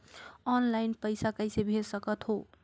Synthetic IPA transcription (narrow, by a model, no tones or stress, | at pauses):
ɔnlajnpəjsakəjsebʱeɾsʌkʌt̪ɦo